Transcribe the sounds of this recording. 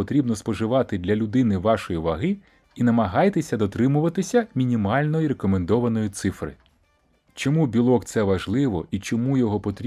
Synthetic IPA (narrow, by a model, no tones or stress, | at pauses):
ɔt̪ɾʲibnɔspɔʒɪʋɑt̪ɪd̪lʲɐlʲʊd̪ɪnɪʋɑʃɔjiʋɐɦɪ | inɐmɐɦɑjt̪esʲɐd̪ɔt̪ɾɪmʊʋɐt̪ɪsʲɐmʲinʲimɑlʲnɔjiɾekɔmend̪ɔʋɐnɔjit̪sɪfɾɪ̰ | t͡ʃɔmubʲilˠɔkt̪sɛʋɐʒlˠɪʋɔit͡ʃɔmujɔɦɔpɔt̪ɾʲ